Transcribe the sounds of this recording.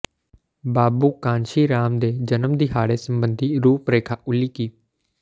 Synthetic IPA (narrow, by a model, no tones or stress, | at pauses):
baːbuːkãːnʃiːɾaːmd̪eːd͡ʒənəmd̪iːɦaːɽeːsəmbənd̪ʱiːɾuːpɾeːkʰaːʔʊliːkiː